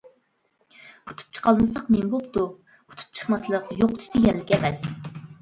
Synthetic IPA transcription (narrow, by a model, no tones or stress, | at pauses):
u̥t̪ʰu̥p̚t͡ʃʰə̥qʰɑlˠmɨsɑqnembopt̪u | u̥t̪ʰu̥p̚t͡ʃʰə̥χmɑslˠəqjoqt͡ʃʰi̥t̪ɪjɛlːɪkʲɛmɛs